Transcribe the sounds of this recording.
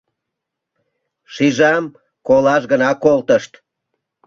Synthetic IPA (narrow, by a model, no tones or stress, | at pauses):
ʃiʒɑm | kolɑʃɣənɑkolt̪əʃt̪